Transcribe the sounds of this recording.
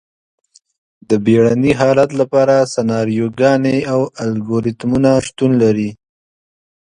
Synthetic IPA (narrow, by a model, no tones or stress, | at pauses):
d̪əbeɽaniɦɑlat̪lapɑɾasanɑɾijoɡɑneawalɡoɾit̪munaʃt̪unlaɾi